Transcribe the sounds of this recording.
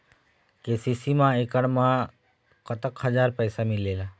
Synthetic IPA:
keːsiːsimãeːkəɽ̃mã | kət̪əkɦəd͡ʒaːɾpəːsamɪlːeːlaː

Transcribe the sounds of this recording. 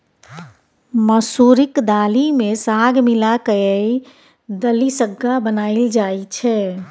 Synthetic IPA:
məsuɾɪkd̪aːlimesaɡʱmilakəjəi | d̪əlisəɡːabənaːild͡ʒait͡ʃʰɛ

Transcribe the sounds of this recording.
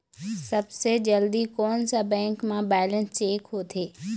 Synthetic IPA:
sɐbsed͡ʑɐld̪ikɔːnsabɛ̃ːŋkmãbɛːlənst͡ʃeːkɦot̪ʰeː

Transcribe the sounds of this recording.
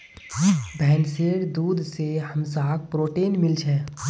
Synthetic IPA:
bʱɛːnseːɽd̪uːd̪ʱsehɐmsaːk̚pɾoːʈeːnmɪlt͡ʃʰɛː

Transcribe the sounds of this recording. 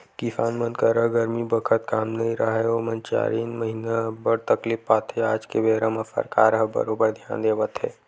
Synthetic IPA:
kifaːnmə̃nd̪kaɾəɦɡəɾmibəkʰət̪kaːmnɐɦĩɾɐɦɦeomɐ̃nt͡ʃa̰ːɾiːnməɦinabəɽt̪ɐklippaːt̪ɦeaːd͡ʒkeʋeːɾəmafə̰ɾka̰ːɾɦəbɐ̰ɾoːbəɾd̪ʱjaːnd̪eːʋət̪ɦḛː

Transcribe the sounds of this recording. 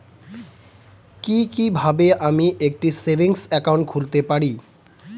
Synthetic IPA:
kikibʱabeʔamiʔek̚ʈisebʱiŋsɛkawɳʈkʰult̪epaɽi

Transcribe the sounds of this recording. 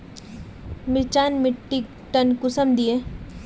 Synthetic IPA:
mɪlt͡ʃaːnmɪʈːi | ʈɐnkʊsəmd̪ie

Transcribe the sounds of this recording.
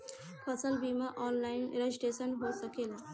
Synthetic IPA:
pʰəsəlbimaʔɔnlaɪnḛɾed͡ʒiʈesənɦosəkela

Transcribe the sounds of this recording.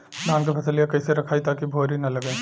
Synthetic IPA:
dãːŋk̬epʰɐsəlijãkɐɪseɾɐkʰaːit̪aːkibʱoːɾinɐlɐɡẽː

